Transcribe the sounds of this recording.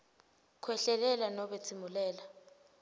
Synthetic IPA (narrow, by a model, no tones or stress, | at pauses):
kʰwɛɬɛlɛlanɔɓet͡sʰimulɛːla